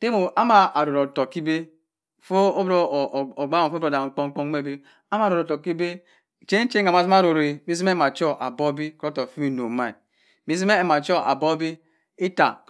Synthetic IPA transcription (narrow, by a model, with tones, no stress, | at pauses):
te˦mo˨a˦ma˨a˨ɾo˨ɾo˨to˨ki˦be˦ | fo˦o˦bɾo˦˨o˨ɡ͡ba˦o˨fɾo˨da˨˦k͡po˦ŋ˦k͡po˦ŋ˦e˦˨be˦ | a˦ma˦˨ɾo˨ɾo˨ɔ˨ki˦be˦˨ | t͡ʃe˦n˦t͡ʃe˦a˨ma˨si˦ma˦ɾo˨ɾe˨mi˦s̬i˦e˦ma˨t͡ʃɔ˦ʔa˨bo˦bi˦ko˦to˨fi˦mi˦no˨ma˦ḭ˨ | mi˨˦s̬i˦e˦˨ma˨t͡ʃo˦ʔa̰˨bo˦bi˦ | i˦ta̰˨